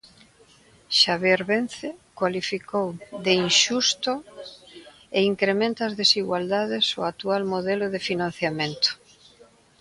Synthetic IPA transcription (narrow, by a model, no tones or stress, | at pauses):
ʃaβjɛɾβen̟θɪkwalifikowd̪einʃust̪ʊ | eiŋkɾemẽnt̪aːzðesiɣwald̪aðɪsoat̪ualmoðɛlʊðɪfinãn̟θjamẽnt̪ʊ̥